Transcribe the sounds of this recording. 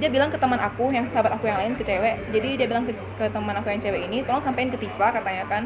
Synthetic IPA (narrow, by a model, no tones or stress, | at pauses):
diabilaŋkət̪əmanʔakujaŋsəɦabat̪akujaŋlaɪnsət͡ʃɛwɛʔd͡ʒadidiabilaŋk | kət̪əmanakujaŋt͡ʃɛwɛʔinit̪ɔlɔŋsampaɪnkət̪ifakat̪aɲakan